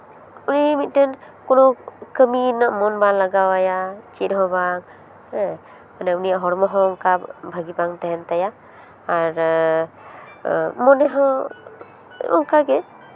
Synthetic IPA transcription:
unimit̪̚tɛn | kɔnɔkəminaʔmɔnbanlaɡawajat͡ʃitɦɔbaŋ | manɛunijaʔɦɔɾmɔɦɔŋkabbʱaɡibaŋt̪ɛɦɛnt̪ajaː | ɾ | mɔnɛɦɔ | ɔ̰ŋkaɡɛ

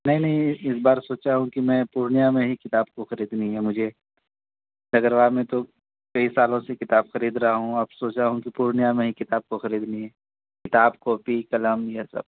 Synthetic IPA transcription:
nɐɦĩnɐɦĩɪs̬baːɾsoːt͡ʃaɦũkimɛ̃ːpuːɾɳijamẽɦikɪt̪aːb̚koxɐɾiːd̪nɐĩɦɛmʊd͡ʒʱe | d̪ɐɡəɾʋamẽt̪o | kɐisaːlõsekɪt̪aːbxɐɾiːd̪ɾɐɦaɦũɐbsoːt͡ʃaɦũkipuːɾɳijamẽɦikɪt̪aːb̚koxɐɾiːd̪nɐɦĩɦɛː | kɪt̪aːbkɔːpikɐləmjasɐ̰b̚

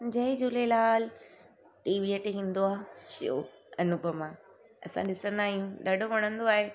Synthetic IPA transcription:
d͡ʑɐɪd͡ʑʊlelaːl | ʈiːʋieʈɦĩːn̆d̪oaːʃḭjo̰ | ɐnʊbʱəmã | ɐ̰sã̰ɗɪsə̃nd̪aːɦijũɗɐɖoʋɐɽ̃ə̃nd̪oaːɦe

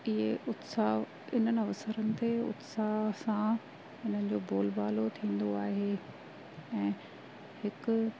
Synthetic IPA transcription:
ɪɦeʔʊt̪saːɦ | ɪn̤ənɪ̆ɐʋsəɾənɪ̆t̪eʊ̰t̪saːɦsã | ɪn̤ənɪ̆d͡ʑoːboːlbaːlot̪ʰĩːn̆d̪oaːɦe | ɛ̃ː | hɪkʊ̆

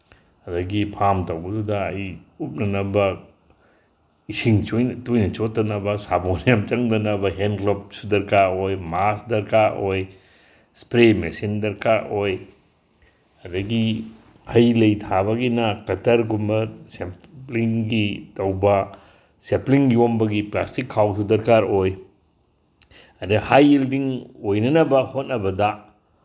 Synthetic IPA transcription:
ɐdɐɡipʰamtɐwbɐdudɐːjup̚nɐnɐbɐ | isiŋt͡ʃojntojnɐt͡ʃotːɐnɐbɐsabonjamt͡ʃɐŋdɐnɐbɐɦenklop̚sudɐɾkaojmasdɐɾkʰaoj | spɾemesindɐɾkʰaoj | ɐdɐɡi | hɐjlɐjtʰaβɐɡinɐkɐtʰɐɾɡumbɐsempliŋɡitɐwbɐ | sepliŋjombɐɡiplastikʰːawsudɐɾkaɾoj | ɐdɐhajildiŋojnɐnɐbɐhot̚nɐbɐdɐ

